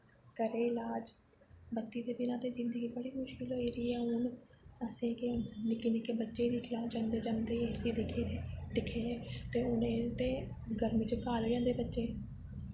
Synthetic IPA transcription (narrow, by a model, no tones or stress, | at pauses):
kəɾeːɪlaːd͡ʒ | bətːʃiːd̪eːbɪnãːt̪eːzɪ̃nd̪əɡiːbəɽiːmʊʃkɪlɦoːiːɾəiːɛːʊn | əsẽːkenɪkiːnikebətːʃeːid̪iːklaːd͡ʒãːnd̪eːd͡ʒãːnd̪eːesiːd̪kʰeed̪ɪkʰeːneːt̪eːʊnẽːt̪ẽː | ɡəɾmiːt͡ʃəkaːlːjãːd̪eːbətːʃeː